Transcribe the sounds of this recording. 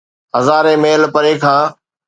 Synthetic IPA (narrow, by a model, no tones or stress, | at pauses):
ɦəzaːɾẽːmeːlpəɾeːkʰaː